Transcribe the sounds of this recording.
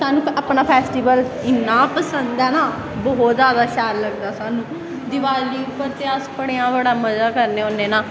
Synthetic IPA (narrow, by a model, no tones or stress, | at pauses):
saːnũːaːpɳaːpʰɛːsʈiːʋəlɪnːãːpəsənd̪ɛːnaː | bɔɦɔt̪zjaːd̪aːʃaːɾləɡd̪aːsaːnũː | d̪ɪʋaːlliːpət̪eəspəɽeːãːbəɽaːməzaːkəɾneːoneːnaː